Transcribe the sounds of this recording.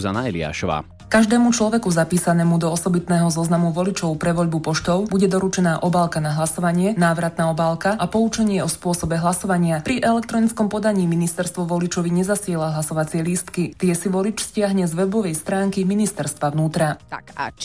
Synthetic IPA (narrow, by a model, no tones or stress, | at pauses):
za̰naɛlḭa̰ːʃɔ̰ʋa̰ː | kaʒd̪ɛːmut͡ʃlɔʋɛkuzapiːsanɛːmud̪ɔɔsɔbit̪nɛːɦɔzɔznamuʋɔlit͡ʃɔʊpɾɛʋɔʎbupɔʃt̪ɔʊbuɟɛd̪ɔɾut͡ʃɛnaːʔɔbaːlˠkanaɦlasɔʋaɲɪɛnaːʋɾat̪naːɔbaːlˠkaʔapɔut͡ʃɛɲɪɛɔspʊɔsɔbɛɦlasɔʋaɲɪapɾiʔɛlɛk̚t̪ɾɔnit͡skɔmpɔd̪aɲiːminist̪ɛɾst̪ʋɔʋɔlit͡ʃɔʋiɲɛzasɪɛlaɦlasɔʋat͡sɪɛlist̪kit̪ɪɛsiʋɔlit͡ʃscɪaɦɲɛzʋɛbɔʋɛjst̪ɾaːŋkiminist̪ɛɾst̪ʋaʋnuːt̪ɾa̰